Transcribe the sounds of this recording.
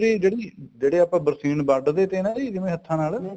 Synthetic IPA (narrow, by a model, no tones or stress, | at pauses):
ɾiːd͡ʒeːɽiːd͡ʒeːɽeːaːpãːbəɾsiːnbəɖd̪eːt̪eːnãːiːd̪ɪmẽːɦət̪ʰːãːnaːl